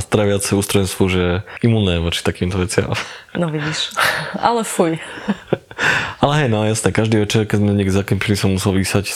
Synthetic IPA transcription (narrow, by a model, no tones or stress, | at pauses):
st̪ɾɛʋat͡sɛuːst̪ɾɔʋɛnst̪ʋuʒɛimuːnnɛʋɔt͡ʃi̥t̪akiːmt̪ɔʋɛt͡sɪa̰mnɔʋiɟiʃʔa̰lɛfuj | alɛɦɛjnɔjasnɛkaʒd̪iːʋɛt͡ʃɛɾkɛzmɛnɲiɛɡzakɛmpilisɔmːusɛlʋiːsac